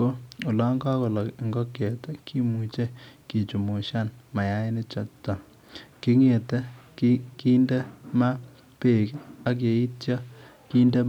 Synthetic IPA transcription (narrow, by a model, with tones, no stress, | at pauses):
o˦o˨la˦ŋɡa˦ko˨la˨kŋɡɔ˦ke˨te˦kʰi˦mu˨t͡ʃe˦ki˨t͡ʃu˨mo˨ʃa˦nma˨ja˦ɪ˦nɪ˦t͡ʃɔ˨tːɔ˨ | ki˦ŋe˨te˦kiki˦nde˦ma˦ | pe˨ka˦k̬je˨i˦tja˦ | ki˦nde˦